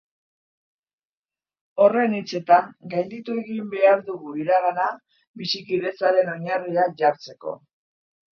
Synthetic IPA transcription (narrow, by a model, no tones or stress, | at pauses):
o̞re̞nit͡se̞t̪aŋɡajnd̪it̪ue̞ɣimbe̞aɾðuɣuiɾaɣana | βisikiðe̞saɾe̞no̞ɲariaʝaɾt͡se̞ko̞̰